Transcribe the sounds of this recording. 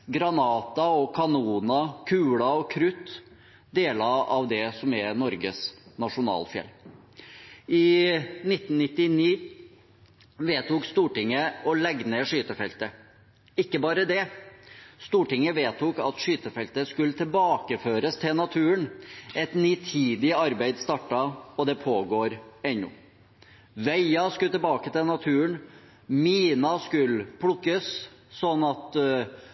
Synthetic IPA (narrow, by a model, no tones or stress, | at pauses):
ɡɾɑnɑːt̪ɑɔkʰɑnuːnɑkʰʉːɽɑɔkʰɾʉt̪ː | d̪eːlɑɑʋd̪ɛsɔmɛnɔɾɡəsnɑʂʊnɑ̰ːlfjɛ̰lː | ɪnɪt̪ːn̩nɪt̪ːɪniː | ʋeːt̪uːkst̪uːʈɪŋːəɔlɛɡnɛʂyːt̪əfɛlt̪ə | ɪkːəbɑːɾəd̪ɛ | st̪uːʈɪŋəʋeːt̪ʰuːkɑ̰t̪ʂyːt̪əfɛlt̪əskʉlt̪ʰɪlbɑːkəføːɾəst̪ʰɪlnɑt̪ʰʉːənɛt̪niːt̪ʰiːd̪ɪɑɾbæɪd̪st̪ɑʈːɑɔd̪ɛpʰoːɡoːɾɛnːʊ̰ | ʋæɪɑskʉlt̪ɛlbɑːkət̪ʰɪlnɑt̪ʰʉːən | miːnɑskʉlpʰɽʊkːəsːɔnːɑt̪